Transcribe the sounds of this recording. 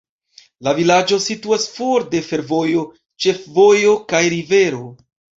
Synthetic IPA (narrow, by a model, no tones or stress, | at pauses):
lavilad͡ʒo̞situasfoɾde̞fe̞ɾvo̞jo̞ | t͡ʃe̞fvo̞jo̞kajɾive̞ɾo̞